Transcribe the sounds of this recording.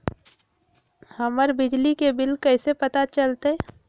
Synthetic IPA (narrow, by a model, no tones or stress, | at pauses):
həməɾbɪd͡ʒlikebɪlkɐɪsepət̪at͡ʃəlt̪e